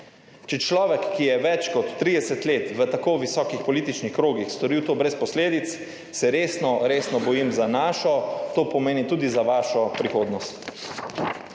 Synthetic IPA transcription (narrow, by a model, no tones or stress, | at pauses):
t͡ʃɛt͡ʃlɔːʋɛkːijɛʋɛt͡ʃkɔt̪ːɾiːd̪ɛsət̪leːt̪ʋət̪akoːʋisɔːkixpɔliːt̪it͡ʃnixkɾoːɡixst̪ɔɾiːwt̪oːbɾɛspɔsleːd̪it̪s | sɛɾeːsnɔɾeːsnɔbɔjimzanaːʃɔt̪oːpɔmeːnit̪uːd̪izaʋaːʃɔpɾixoːd̪nɔst̪